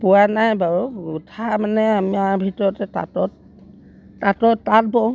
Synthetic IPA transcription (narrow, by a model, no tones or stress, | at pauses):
pʊwanajbaɹuutʰamanɛamiaɹbʱitɔɹɔtɛta̰tɔt̚ː | atɔtːat̚bɔ